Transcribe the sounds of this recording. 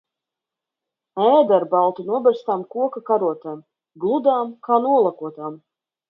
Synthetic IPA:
ɛːd̪aɾbalˠt̪unuɔbɛɾst̪amkuɔkakaɾuɔt̪aːm | ɡlˠud̪aːmkaːnuɔlˠakuɔt̪aːm

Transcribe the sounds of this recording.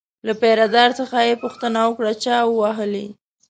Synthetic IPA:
lapeɾad̪ɑɾsəxajepʊxt̪ənawəkɽat͡ʃɑwəwaɦəle

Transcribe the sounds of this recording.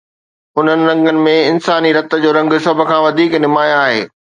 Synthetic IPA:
ʊn̤ənɪ̆ɾɐ̃ŋɡənɪ̆mẽɪnsaːniɾɐt̪ə̆d͡ʑoːɾɐ̃ŋɡʃɐbʱə̆kʰãːʋɐd̪ʱiːknɪmaːjaːɦḛː

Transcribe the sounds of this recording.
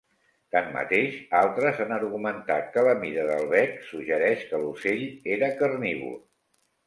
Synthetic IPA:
t̪amːə̰t̪eʃalˠt̪ɾəzanəɾɣumənt̪at̪̚kələmiɾəðəlˠβɛksuʒəɾɛʃkəluseʎeɾəkəɾniβṵ

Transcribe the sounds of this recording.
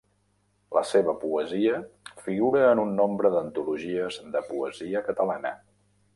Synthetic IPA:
lə̰seβəpuəziəfiɣuɾəːnunːombɾəðənt̪uluʒiəzðəpuəziəkət̪əlanə̰

